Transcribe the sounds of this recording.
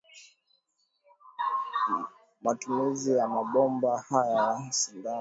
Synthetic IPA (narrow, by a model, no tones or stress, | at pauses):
matumizijamaɓɔmbahajasiŋda